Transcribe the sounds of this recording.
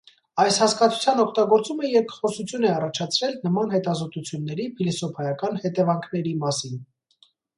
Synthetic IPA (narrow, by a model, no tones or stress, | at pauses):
ɑjshɑskɑt͡sʰu̥t͡sʰjɑnɔkʰt̪ɑɡɔɾt͡suməjɛɾkχɔsut͡sʰjunɛɑrɑt͡ʃʰɑt͡sʰɾɛlnəmɑnhɛt̪ɑzɔt̪ut͡sʰjunːɛɾipʰilisɔpʰɑjɑkɑnhɛt̪ɛvɑŋkʰnɛɾimɑsin